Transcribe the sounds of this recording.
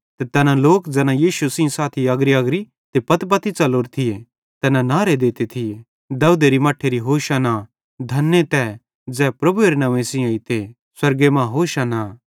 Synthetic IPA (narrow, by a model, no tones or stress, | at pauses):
t̪et̪ɛːnãloːkd͡zɛːnãjiːʃusɪ̃saːt̪ʰiɐɡɾiɐɡɾi | t̪epɐt̪p̬ɐt̪it͡ʃɐloːɾt̪ʰɪje | t̪ɛːnãnaːɾed̪eːt̪et̪ʰɪe | d̪ɐud̪eɾimɐʈʰeɾiɦoːʃana | d̪ʱɐnːet̪ɛː | d͡zɛːpɾɐbueːɾnɐʋẽsɪ̃ãit̪e | swɐɾɡemãɦoːʃanaː